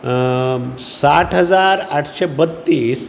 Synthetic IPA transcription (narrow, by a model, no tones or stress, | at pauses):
saʈʰɦəd͡zaɾaʈʰɕebət̪ːiːs